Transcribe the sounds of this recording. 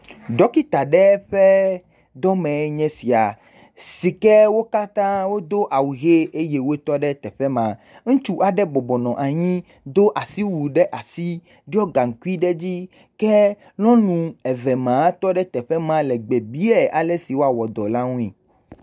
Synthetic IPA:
ɖɔ˦ki˦t̪a˨ɖɛ˦ɸɛ˦ | d̪ɔ˦mɛ̃˨˦ɲɛ̃˦si˨a˨ | si˨kɛ˦wo˦ka˦t̪ã˦wo˦d̪o˦ʔa˨wu˨ɣe˦e˦je˦wo˦e˦t̪ɔ˦ɖɛ˦t̪ɛ˨ɸɛ˦mã˨ | ŋ̩̃˦t͡ʃu˦ʔa˨ɖɛ˦bɔ˨bɔ˨nɔ̃˨ʔa˨ɲĩ˦ | d̪o˦ʔa˨si˦wu˨ɖɛ˦ʔa˨si˦ | ɖi˦ɔ˦ɡa˨ŋ̩˨ku˦i˦ɖɛ˦d͡ʑi˦ | kɛ˦ | lɔ̃˦nũ˨ɛ˨vɛ˨mã˨˦t̪ɔ˦ɖɛ˦t̪ɛ˨ɸɛ˦mã˦lɛ˨ɡ͡be˨bi˦ɛ˨ʔa˨lɛ˦si˨wo˦a˨wɔ˨d̪ɔ˨la˦ŋũ˦i˨

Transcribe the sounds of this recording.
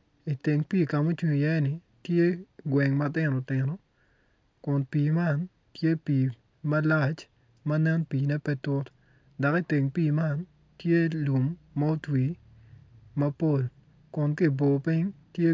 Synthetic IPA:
i˨te˨ŋpiː˦˨ka˨mo˦t͡ʃu˨jɛ˦nɪ˨ | tje˦ɡwɛ˨ŋmɐ˦tɪ˦no˨tɪ˨no˦ | kʊ˨npiː˨ma˦˨n | tje˦piː˨ | mɐ˦la˦t͡ʃ | mɐ˦nɛ˦npiː˨nɛ˦pɛ˦tʊ˦t | da˨ki˦te˨ŋpiː˦˨ma˦˨n | tje˦lu˨mːa˦o˦twi˨ | mɐ˦po˦˨l | kʊ˨nki˦˨bo˨pi˦ŋtje˦

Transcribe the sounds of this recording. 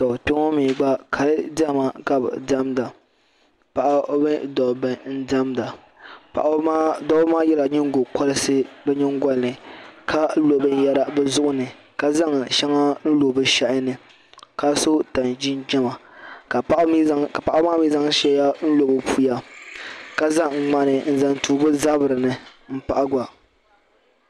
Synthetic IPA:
sɔ˨pɪ˦ŋɔ˦mi˨ɡ͡ba˦kʰa˨lɨ˦da˦˨ma˨ka˦b̰da˦mda˨ | pa˨ʔa˦bɛ˦dɔ˨bɨ˨n̩˦da˦mda˨ | pa̰˨ʔa˨˦dɔ˦bmaː˦jɛ˦la˨ɲɪ˦ŋ˦ɡo˨kɔ˦lɨ˦sɨ˦bɛ˦ɲɪ˦ŋ˦ɡɔ˦lnɨ˨kʰa˦lo˨bɨ˦n˦ja˦ɾa˦bɛ˦zʊ˦ʔʊ˦nɨ˨ | ka˦za˦ŋʃa˦ŋa˦n̩˦lo˨bɨ˦˨ʃa˦ʔnɨ˨ | ka˦so˦ta˨nd͡ʒi˦nd͡ʒɛ˦ma˨ka˨˦ka˨pa˨ʔa˦maː˦miː˦za˦ŋ˦ʃɛ˦a˦n̩˦lo˨bɨ˨pʰu˦ja˦ | ka˦za˦ŋ˨ŋ˨ŋ͡ma˨nɨ˨n̩˦za˨ntuː˨bɨ˦za˦bɨ˨ɾɨ˨nɨ˨m̩˦pa˨ʔa˦ɡʷa˨

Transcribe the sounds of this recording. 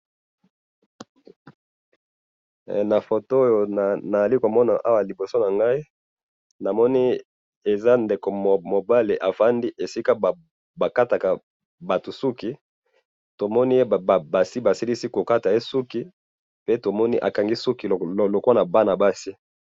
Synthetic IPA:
na˨fo˨to˦o˦jo˨na˨za˨li˦ko˨mɔ˦na˨ʔa˦wa˨li˨bo˨so˦na˨ŋɡa˦i˦ | na˨mɔ˦ni˦ | e˨za˦nde˨ko˨m˨mo˨ba˦le˨ʔa˨fa˦ndi˦ʔe˨si˦ka˦b | ba˨ka˦ta˨ka˨ | ba˨tu˨su˦ki˦ | to˨mɔ˦ni˦e˦˨ba˨si˦ba˨si˦li˦si˦ko˨ka˦ta˨je˦su˦ki˦ | pe˦to˨mɔ˦ni˦ʔa̰˨ka˨ŋɡi˦su˦ki˨lo˨ko˦na˨ba˦na˨ba˦si˦

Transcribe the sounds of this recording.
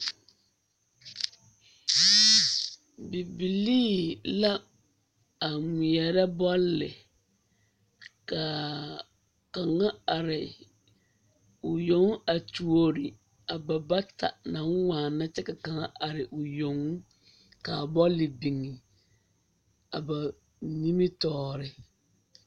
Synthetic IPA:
bi˨bi˨liː˦la˦ | a˨mi˨ɛ˨ɾɛ˦bɔ˦lːɪ̰˨ | ka˨ | ka˨ŋa˦a˨ɾɪ˨ | ʊ˨jo˨˦ŋ˦a˨tu˨o˦ɾɪ˨ | a˨ba˨ba˦ta̰˨nã˨˦ŋ˦waː˨na˦t͡ʃɛ˦ka˨ka˨ŋa˦ʔa˨ɾɪ˨ʔʊ˨jo˨ŋ˦ | kaː˨bɔ˦lːɪ˨bi˨ŋi˨ | a˨ba˨ | ni˦mi˦tɔː˦˨ɾɪ˨

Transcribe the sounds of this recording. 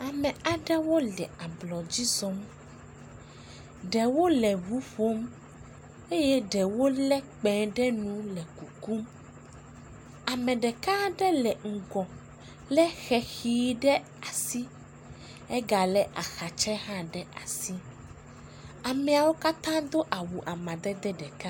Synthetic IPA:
a˨mɛ̃˨a˨ɖɛ˦wo˦lɛ˨a˨blɔ˨d͡ʑi˦zɔ̃˦m | ɖɛ˨wo˦lɛ˨wu˦ɸo˦m | e˦jɛ˦ɖɛ˨wo˦lɛ˦k͡pɛ̃˨ɖɛ˦nũ˦lɛ˨ku˨ku˦m | a˨mɛ̃˨ɖɛ˨kã˦ɖɛ˦lɛ˨ŋ̩˨ɡɔ̃˨ | lɛ˦xɛ˨xiː˦ɖɛ˦ | a˨si˦ | ɛ˦ɡa˨lɛ˨ʔa˨xa˨t͡ʃɛ˦ɦã˦ɖɛ˦ʔa˨si˦ | a˨mɛ˨a˨wo˦ka˦t̪ã˦d̪o˦ʔa˨wu˨ʔa˨mã˨d̪ɛ˦d̪ɛ˦ɖɛ˨kã˦

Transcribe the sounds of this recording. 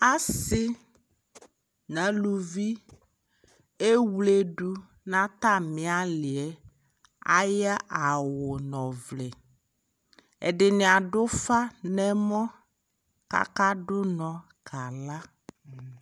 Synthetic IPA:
a˦sɪ˦ | nã˨˦lu˨vi˦ | e˦wle˦ɖu˦ | nã˦t̪a˦mɪ̃˨a˦lɪ˨ɛ˦ | a̰˦ja˦ʔa˨wʊ˨nɔ̃˨vlɛ˨ | ɛ̰˨ɖɪ˨nɪ̃˨a˨ɖʊ˦fa˦nɛ˦mɔ̃˦ | ka̰˦ka˦ɖʊ˦nɔ̃˨ | ka˨la˦

